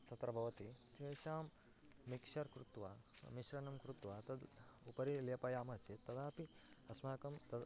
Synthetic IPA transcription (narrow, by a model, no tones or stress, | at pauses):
t̪ɐt̪ɾɐbʱɐʋɐt̪it̪ʰeːʃaːmː | ikʃɐɾkɾut̪ʋa | miʃɾɐnɐmkɾut̪ʋat̪ɐd̪ | upɐɾilijɐpɐjaːmɐt͡ʃet̪ːɐd̪aːpi | ɐsmaːkɐmt̪ɐ